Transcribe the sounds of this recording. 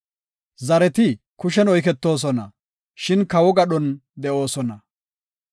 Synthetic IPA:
zɐɾɛt̪ɪ | kʊʃ̬ɛnɔjk̬ɛt̪ːo̞ːs̬ɔnɐ | ʃɪnkɐwɔɡɐɗɔnd̪ɛʔo̞ːsɔnɐ

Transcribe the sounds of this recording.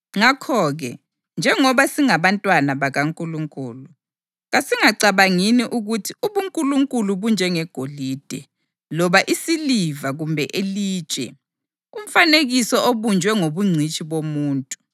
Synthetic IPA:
ŋakʰɔɣɛ̰ | nd͡ʒʱɛŋɔβasiŋaβantʼwanaβaɣaŋkʼuluŋkʼuːlu | ɣasiŋaǀaβaŋiniʔuɣutʰiuβuŋkʼuluŋkʼuluβund͡ʒʱɛŋɛɡ̥ʱoliːd̥ʱɛ | lɔβaʔisilivaɣumbʱɛʔeliːt͡ʃʼɛ̰ | um̩faneɣisɔʔoβund͡ʒʱwɛŋoβuŋ͡ǀʱit͡ʃʼiβomuːntʼu

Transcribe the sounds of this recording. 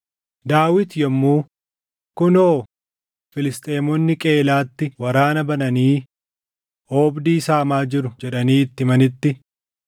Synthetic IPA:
d̪aːwɪt̪jɛmːuː | kʊnoː | fɪlɪst̪ʼe̞ːmɔnːɪkʼe̞ːlaːt̪ːɪwɐɾaːnɐbɐnɐniː | ʔoːbd̪iːsaːmaːd͡ʒɪɾʊd͡ʒɛᶑɐniːɪt̪ːɪmɐnɪt̪ːɪ

